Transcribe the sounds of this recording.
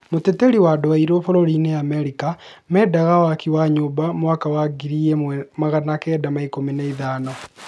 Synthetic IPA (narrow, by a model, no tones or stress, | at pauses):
moteteɾiwadoaiɾofoɾoɾineameɾikamɛːdaɣawakiwaɲobamowakawaɡiɾiemaɣanakɛːdamaikominaiðaːnɔ